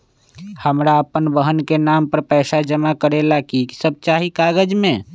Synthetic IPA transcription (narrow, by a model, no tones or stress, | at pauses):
həmɾaəpənbəɦənkenampəɾpɛːsad͡ʒəmakəɾelakiki̥səb̚t͡ʃaɦikaɡəd͡ʒmẽ